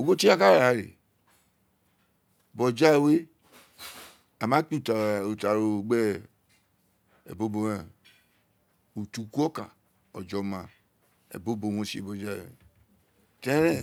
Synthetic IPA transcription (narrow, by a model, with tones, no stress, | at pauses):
o˨ɡo˦ti˦a˦ka˦ɾa˨ɾḛ˨ | bɔ˨d͡ʒa˦e˨we˦ | a˨ma˦k͡pi˦˨ta˨o˨ta˨ɾo˨ɡ͡bɛ˦ | ḛ˨bo˦bo˨˦e˨ | u˨tu˨ku˦ɔ˦ka̰˨ | ɔ̰˨d͡ʒɔ˨ma˨ | ḛ˨bo˦bo˨wõ˨sḛ˨bɔ˨d͡ʒa˦˨wḛ˨ | te˦ɾẽ˦˨